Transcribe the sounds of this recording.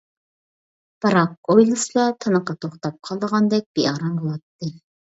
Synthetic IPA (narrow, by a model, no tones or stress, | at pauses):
b̥ɨɾɑq̚ojlˠɨslˠɑt̪ʰɨnəqɑt̪ʰoχt̪ɑp̚qʰɑlˠd̪əʁɑnd̪ɛk̚ʲb̥eɑɾɑmbolˠɑt̪ːɨ